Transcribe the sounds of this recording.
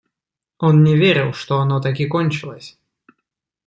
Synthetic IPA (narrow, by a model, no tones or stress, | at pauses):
o̞nnʲɪvʲeɾʲɪlˠʂt̪oɐnot̪ak̬ʲikonʲt͡ɕɪlˠəsʲ